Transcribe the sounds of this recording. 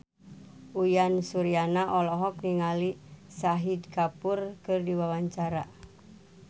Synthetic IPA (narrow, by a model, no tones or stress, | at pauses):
ʔujansuɾianaʔɔlɔɦɔkniŋalisaɦidkapurkɨrdiwawaɲt͡ʃaɾa